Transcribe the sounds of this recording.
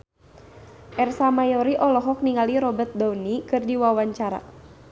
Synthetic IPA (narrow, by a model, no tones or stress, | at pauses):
ʔɛrsamajɔɾiʔɔlɔɦɔk̚niŋaliɾɔbət̪̚dawnikɨrdiwawaɲt͡ʃaɾa̰